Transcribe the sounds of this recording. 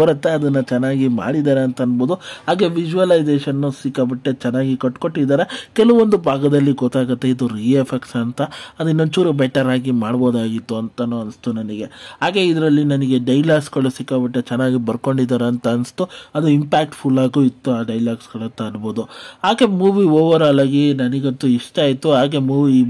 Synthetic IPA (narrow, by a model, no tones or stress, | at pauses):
ɐɾɐt̪ːeɐd̪ɐnːɐt͡ʃɛnːaːɡima̰ːɽid̪aːɾeɐnt̪ɐɐnboːd̪uɦaːɡe̞ʋid͡ʒuʋɐlɐjd͡ʒeːʃɐnːusikːɐbiʈːet͡ʃɛnːaːɡikɐʈːko̞ʈːid̪aːɾekɛlɐʋond̪ubʱaːɡɐd̪ɐlːiɡɔt̪ːaːɡɐt̪ːe̞id̪uɾiepʰeksɐnt̪ɐɐd̪inoɲt͡ʃuːɾubɛʈɐɾaːɡimaːɽboːd̪aːɡit̪ːuɐnt̪ɐnːuɐnst̪unɐniɡeɦaːɡeid̪ɐɾɐlːinɐniɡe̞ɖɐjlaːɡsɡɐɭusikːɐbiʈːet͡ʃɛnːaːɡibɐɾko̞ɳɖid̪aːɾeɐnt̪ɐɐnst̪uɐd̪uimpaːk̚ʈpʰulːaːɡuit̪ːuaːɖɐjlaːɡsɡɐɭɐt̪ːɐɐnboːd̪uɦaːɡemuːʋioːʋɐɾɐlaːɡinɐniɡot̪ːuiʂʈɐːjit̪ːuɦaːɡe̞muːʋi